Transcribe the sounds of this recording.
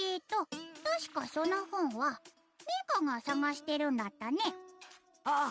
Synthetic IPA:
et̪ːo̞t̪oɕi̥kaso̞nohõ̞ɰ̃βa | mʲekaŋɡasaŋaɕi̥t̪e̞ɾɯ̟̃nd̪at̪ːane | a

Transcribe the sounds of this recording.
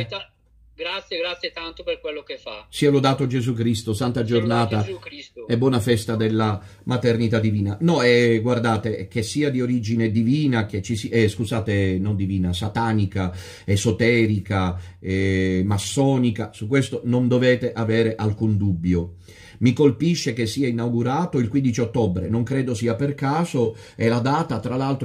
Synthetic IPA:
ɡɾat̪sːjeɡɾat̪sjet̪ant̪operkwelːokefasiːalod̪aːt̪od͡ʒezuk̬ɾist̪osant̪ad͡ʒornaːt̪asɛbwɔːnafɛst̪ad̪elːamat̪ernit̪ad̪ːiviːnanɔɛɡward̪aːt̪ek̟esːiːad̪ioɾid͡ʒined̪iviːnak̟et͡ʃːisiɛskuzaːt̪enond̪iviːnasat̪aːnika | ezot̪ɛːɾikaɛmasːɔːnikasukːwest̪onond̪oveːt̪eʔaveːɾeʔalkund̪ubːjo | mikolpiʃːekesːiːainawɡuɾaːt̪oilkwind̪it͡ʃiot̪ːɔbɾḛnoŋkɾeːd̪osiːaperkaːzo | elad̪aːt̪at̪ɾalalt̪ɾ

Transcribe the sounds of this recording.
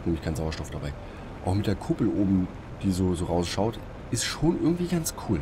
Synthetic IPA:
t̚neːmɪçkʰaɪnzaʊɐʃtɔfd̥abaɪ | ʔaʊxmɪt̚d̥eːɐkʰʊpl̩ʔoːbm̩ | d̥iːzoːzoːʁaʊsʃaʊt | ʔɪstʃoːnʔɪɐɡŋ̩tv̥iːɡant͡skʰuːl

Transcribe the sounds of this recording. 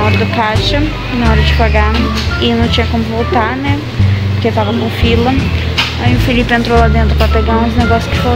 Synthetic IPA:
ɔɾɐd̪ʊkaʃɐ | nɐɔɾɐd͡ʒɪpaɡa | ɪnɐ̃w̃t͡ʃĩɲɐkõmʊvowt̪aɾnɛ | poɾket̪avɐkõfilɐ | aĩʊfilipɪẽnt̪ɾowlad̪ẽnt̪ɾʊpɾɐpeɡaɾũzneɡɔsjʊ̥skɪ̥fo

